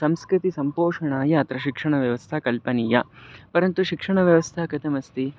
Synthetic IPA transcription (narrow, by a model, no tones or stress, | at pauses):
sɐmskɾit̪isɐmpoːʂɐɳaːjɐːt̪ɾɐʃikʂɐɳɐʋjɐʋɐst̪ʰɐkɐlpɐniːjɐpɐɾɐnt̪uʃikʂɐɳɐʋjɐʋɐst̪ʰakɐt̪ʰɐmɐst̪i